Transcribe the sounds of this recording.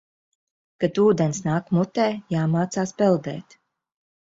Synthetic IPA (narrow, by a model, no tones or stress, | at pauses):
kat̪uːd̪ɛnsnaːkmut̪ɛːjaːmaːt̪saːspɛlˠd̪ɛ̰ːt̪